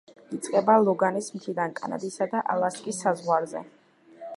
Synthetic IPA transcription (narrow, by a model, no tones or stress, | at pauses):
it̪sʼqʼɛbalˠɔɡanismt̪ʰid̪ankʼa̰na̰d̪isad̪aʔa̰lˠaskʼisːazʁwaɾzɛ̰